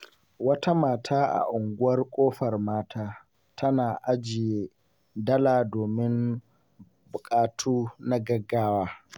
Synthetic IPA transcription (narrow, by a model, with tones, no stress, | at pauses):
wɐ˦ta˦maː˨tʰaː˦ʔa̰˨ʔʊ˨ŋɡʷʊ˦wɐ˦rkʷʼoː˦ɸɐ˨rmaː˦tʰaː˦ | tʰɐ˦naː˨ʔa˦d͡ʒɪ˨jeː˦ | dɐ˦laː˨doː˨mɪ˦n | bʊ˨kʼaː˦tʰuː˦na˦ɡɐ˦ɡːaː˦waː˦